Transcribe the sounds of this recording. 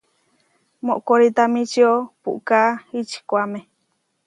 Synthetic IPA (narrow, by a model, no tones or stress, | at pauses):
moʔkoɾit̪amĩt͡ʃiopṵʔkait͡ʃi̥kʷamẽ